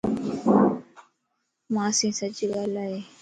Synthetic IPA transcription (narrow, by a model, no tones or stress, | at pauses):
mãːsĩːsət͡ʃɠaːlaːɦeː